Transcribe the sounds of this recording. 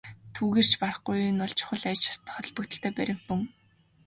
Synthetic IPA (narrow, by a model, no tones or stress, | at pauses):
t̪ʰuːɣeːr̥t͡ɕʰparə̆χɡujnʊɮt͡ɕʰʊ̥χə̆ɮæt͡ɕt̪ʰχt̪ɞ̆ɮpɞ̆k̚t̪ɘ̥̆kt̪ʰeːpæɾʲɪ̆mɵŋ